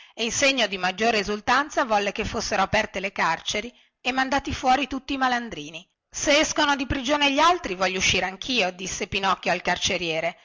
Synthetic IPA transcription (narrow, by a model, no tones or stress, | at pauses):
einseɲːod̪imad͡ʒːoːɾeezult̪ant̪savɔlːekefːosːeɾoapɛrt̪elekart͡ʃeɾi | emːand̪aːt̪ifwɔːɾit̪ut̪ːiːmaland̪ɾiːni | seɛskonod̪ipɾid͡ʒoːneʎːialt̪ɾivɔʎːouʃːiːɾeaŋkʰiːod̪isːepinɔkːjoalkart͡ʃeɾjɛːɾe